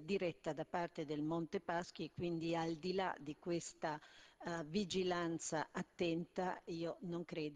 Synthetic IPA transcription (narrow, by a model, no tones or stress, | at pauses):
d̪iɾɛt̪ːad̪apart̪ed̪elmont̪epask̟iekːwind̪iald̪ila̰d̪ikwest̪a | vid͡ʒilant̪sa̰ʔat̪ːɛnt̪aiːonoŋkɾɛːd̪